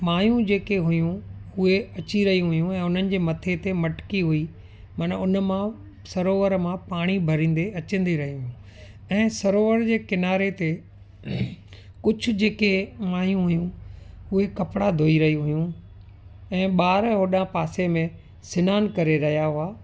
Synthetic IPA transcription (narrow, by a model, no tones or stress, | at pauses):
maːjũd͡ʑeːkeɦʊjũʊɦeɐt͡ɕiɾɐɦiũɦʊjũɛ̃ːʊn̤ənɪ̆d͡ʑeːmɐt̪ʰet̪emɐʈkiɦui | mɐnʊn̆mã | sɐɾoːʋəɾmãpaːɽ̃ibʱɐɾĩːn̆d̪eɐt͡ɕə̃n̆d̪iɾɐɦiɦʊjũ | ɛ̃ːsɐɾoːʋəɾd͡ʑeːkɪnaːɾet̪e | kʊd͡ʑʱʊ̆d͡ʑeːkemaːjũɦʊjũʊɦekɐpɽad̪ʱoːiɾɐɦiɦʊjũ | ɛ̃ːɓaːɾɦoːɗãpaːsemẽ | sɪnaːnkɐɾeɾɐɦijaɦʊaː